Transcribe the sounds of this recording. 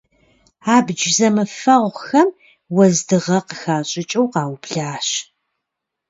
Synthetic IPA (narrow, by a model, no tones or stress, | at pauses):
aːbd͡ʒzɐmɨfɐʁʷxɐm | wɐzdɨʁɐqəxaːɕʼɪt͡ʃʼɐwqɑːwbɮaːɕ